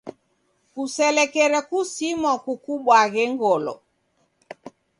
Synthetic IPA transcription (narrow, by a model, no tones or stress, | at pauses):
kusɛlɛkɛɾɛkusimɔkukuɓwaɣɛŋɡɔlɔ̰